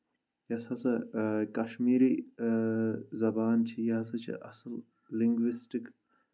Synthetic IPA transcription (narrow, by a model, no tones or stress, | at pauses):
jɐsɐsɐkɐʃmiːɾiː | zɐbaːnt͡ʃʰijɐɦɐsɐt͡ʃʰḭʔɐsɐlː | iŋɡʋisʈik